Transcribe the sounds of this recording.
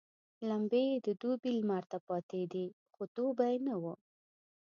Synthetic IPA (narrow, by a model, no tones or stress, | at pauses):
lambejd̪əd̪obilmaɾt̪apɑt̪ed̪i | xot̪obajenawu